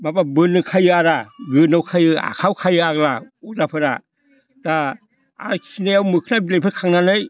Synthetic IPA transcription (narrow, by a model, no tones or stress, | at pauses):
mababɯnɯkʰajɯaɾaɡɯnawkʰajɯa̰kʰawkʰajɯaɡlauzapʰɯɾa | d̥a | a̰kʰinajawmɯkʰɯnabilejpʰɯɾkʰaŋnanɯj